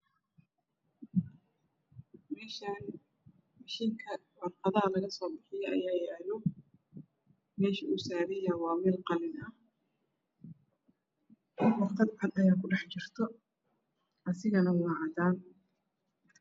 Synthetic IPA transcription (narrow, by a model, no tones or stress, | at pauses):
mɛːʃan | mɑʃiŋkʰɐ | wɐrqɑðɐɦɐlɐɣɐsɔːbɪħɪjɔʔɐ̰jaːjɛaːlɔ | mɛːʃɐʊsaːɾɛjawɑːmɛːlqɑlɪnɐh | hɪdwɑχt̪ʰɐd̪ħɐd̪ɐjaːkʰʊɖɑħt͡ʃɪr̥t̪ʰɔ | ʔɐsɪɣɐnɐwɑːʕɑd̪aːn